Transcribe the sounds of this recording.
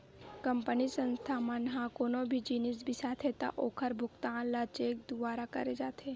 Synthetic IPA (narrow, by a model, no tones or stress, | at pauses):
kə̃mpənisə̃nst̪ʰaːmənɦãkoːnõbʱid͡ʒiːnis̬bʱisaːt̪ʰɦet̪a̰ʔoːkʰəɾbʱʊkt̪aːnlat͡ʃeːk̚d̪ʊʋaːɾakɐ̰ɾed͡ʒaːt̪eː